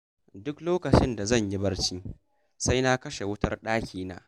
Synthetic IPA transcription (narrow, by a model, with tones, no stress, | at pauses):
dʊ˦kloː˦kɐ˨t͡ʃɪ˦nda˨zɐ˦˨ɲji˦bɐ˦rt͡ʃiː˦ | sa˦jna˦kɐ˦ʃe˨wʊ˦tɐ˦rɗaː˦kʲiː˦na̰ː˦